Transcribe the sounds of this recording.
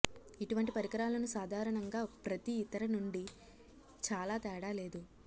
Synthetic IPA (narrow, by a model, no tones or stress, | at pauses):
iʈuʋɐɳʈipɐɾikɐɾaːlɐnusaːd̪ʱaːɾɐɳɐŋɡaːpɾɐt̪iːt̪ɐɾɐnuɳɖi | t͡ʃaːlaːt̪ɛːɽaːleːd̪u